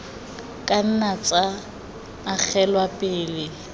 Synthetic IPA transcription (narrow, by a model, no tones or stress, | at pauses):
kʼan̩nat͡sʼa | mak͡xʰɛlwapʼɪːlɪ